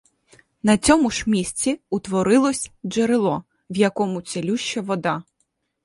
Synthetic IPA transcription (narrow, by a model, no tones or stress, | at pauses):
nɐt͡sʲɔmʊʃmʲisʲt͡sʲiʊt̪ʋɔɾɪlˠɔsʲd͡ʒeɾɪlˠɔ | wjɐkɔmʊt͡sʲelʲuʃt͡ʃːɐʋɔd̪ɑ